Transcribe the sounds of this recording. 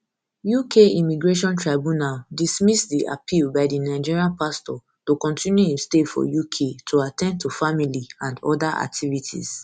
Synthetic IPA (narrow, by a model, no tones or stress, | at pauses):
jukʰeimiɡɹeʃɔ̃ntʰɹaɪbjũnaldismisdiʔa̰pʰilbaɪdinaɪd͡ʒiɹiãnpastɔ | tokɔ̃ntʰĩnjuĩstetfɔ̰jukʰetʰoatɛ̃nd̚tʰufamiliãndɔ̰daʔa̰k̚tʰivitʰḭs